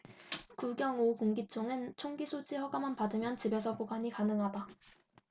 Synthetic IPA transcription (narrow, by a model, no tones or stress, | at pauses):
kuɡjʌŋokoŋɡit͡ɕ͈oŋɯnt͡ɕʰoŋɡisʰod͡ʑihʌɡamanpadɯmjʌnt͡ɕibe̞sʰʌpoɡaɲikanɯŋɦada